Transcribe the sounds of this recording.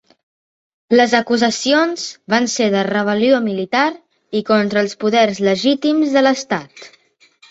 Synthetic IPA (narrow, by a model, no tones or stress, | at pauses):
ləzəkuzəsionz̥βanseðərəβ̞əliomilit̪aɾ | ikɔnt̪ɾəːlˠspuðɛrzləʒit̪imzðələst̪at̪